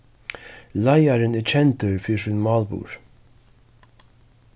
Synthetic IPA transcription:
lajaɾɪnɪt͡ʃʰɛnt̪ʏɹfiːsunmɑːlbṵːɹ

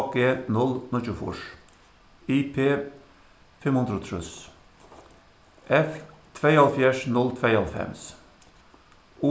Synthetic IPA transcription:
ɡeːnɔlnɔt͡ʃʉːfʊ̰ʃ | iːpʰeː | fɛmhʊnd̪ɾət̪ʰɾʉ̰s | ʔɛft̪ʰʋeɪɑlfjæːʃnɔlt̪ʰʋeɪɑlfɛ̰ms | uː

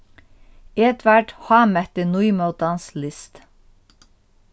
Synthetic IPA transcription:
iɛt̪ʰʋæʈhɑːmɛt̪ənuʏmɑʊd̪ɑnslɪst̪

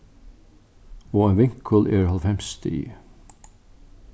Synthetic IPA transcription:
oːeːnʋɪŋkʰəlʔeːɾhɑlfɛmst̪ʰḭː

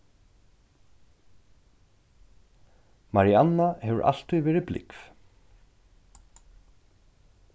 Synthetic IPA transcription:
maɾianːahɛvʏ̰ɹʔa̰l̥t̪ujvɛːɾɪplɪ̰kv̥

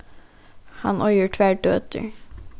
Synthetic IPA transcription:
hɑ̰nʔɔʏəʈʰʋæːɖøːt̪ʰə̰ɹ

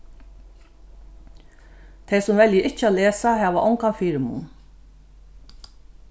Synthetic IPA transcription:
t̪ʰeɪsʊmʋɛljəʔɪc͡çəaleːsahæːʋɑ̰ʔɔŋkanfiɾmṵn

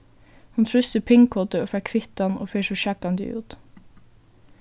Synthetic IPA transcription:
hʊnfʰɾʏsəpʰɪŋkʰɔt̪əoːfækʰʋɪt̪ɑnʔo̰ːfeːʃɔʃɑkɑnd̪ə̰ʔʉ̰ːt̪

